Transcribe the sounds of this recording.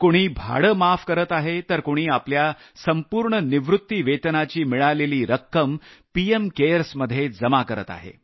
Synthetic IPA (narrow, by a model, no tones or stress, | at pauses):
koɽ̃iːbʱa̰ɽəmafkəɾət̪aɦet̪əɾkoɽ̃iːaplja | səmpuːɾɳəniʋɾut̪ːiʋet̪nat͡ɕiːmiɭaleliːɾəkːəmpiemkeɾsməd̪ʱjed͡zəmakəɾə̰t̪a̰ɦḛ